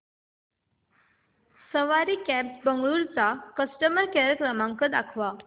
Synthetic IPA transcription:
səʋaɾiːkæpsbəŋɡɭuɾt͡sakəsʈəməɾkɛɾəkɾəmãŋkəd̪akʰʋa

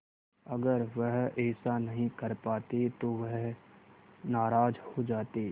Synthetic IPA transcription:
ɐɡəɾʋəɦɛːsanɐɦĩkɐɾpaːt̪et̪oʋəɦ | naːɾaːd͡ʒhod͡ʒaːt̪eː

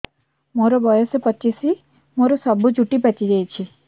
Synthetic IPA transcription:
moɾɔbɔjɔsepɔt͡ʃisi | moɾɔsɔbʱud͡ʒuʈipɛt͡ʃiɡɛjt͡ʃʰi

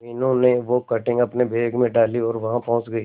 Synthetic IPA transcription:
ɪnõneʋokɐʈɪ̃ŋɡɐpnebʱeːɡmẽɖaːliɔːɾʋɐɦãpɔ̃ːt͡ʃɡəiː

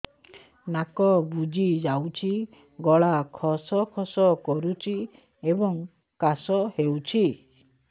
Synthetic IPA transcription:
nakɔbud͡ʒid͡ʒawt͡ʃʰi | ɡɔɭakʰɔsɔkʰɔsɔkɔɾut͡ʃʰi | ebɔŋ | kasɔhewt͡ʃʰi

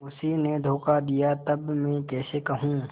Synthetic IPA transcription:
ʊsined̪ʱoːkad̪ijat̪ɐbmɛ̃ːkɛːsekɐɦũː

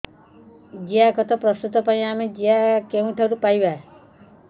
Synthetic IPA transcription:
d͡ʒiakɔt̪ʰɔpɾɔst̪ut̪ɔpãĩamed͡ʒiakeũʈʰɔɾupajbae

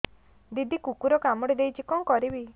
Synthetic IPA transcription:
d̪id̪ʱikukuɾɔkamɔɽid̪ejt͡ʃʰikɔŋkɔɾibi

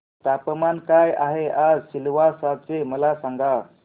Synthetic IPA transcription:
t̪apəmankajaɦead͡zɕilʋasat͡seməlasaŋɡa

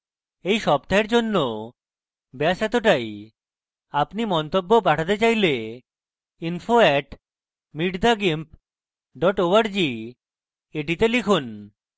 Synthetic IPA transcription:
ejʃɔb̚t̪aeɾd͡ʑonːo | bɛaʃɛt̪oʈaj | apnimɔnt̪obːop̬aʈʰat̪et͡ɕajle | infʰoɛʈ | miɖd̪aɡimp | ɖɔʈoaɾd͡ʑi | eʈit̪elikʰun

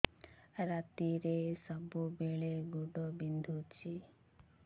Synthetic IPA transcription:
ɾat̪iɾesəbubeɭeɡuɖɔbind̪ʱut͡ʃʰi

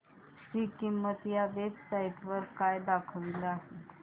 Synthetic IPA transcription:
sikimːət̪jaʋet͡ssaiʈʋəɾkajd̪akʰəʋiləaɦe

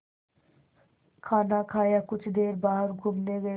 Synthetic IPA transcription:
kʰaːnakʰaːjakʊt͡ʃʰd̪eːɾbaːɦəɾɡʱuːmneɡə

